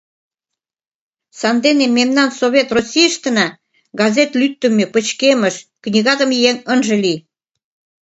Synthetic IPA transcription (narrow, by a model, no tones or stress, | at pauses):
sɑnd̪enemːemnɑnsoβʲet̪rosʲijəʃt̪ə̆nɑ | ɡɑzet̪lyt̪ːə̆mepə̆t͡ɕkeməʃknʲiɣɑd̪ə̆mjeŋənʒə̆li